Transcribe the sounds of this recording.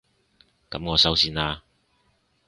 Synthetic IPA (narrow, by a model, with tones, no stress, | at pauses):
kɐ˨˧˥mŋɔː˨˧sɐ˨˥wsiː˨˧naː˧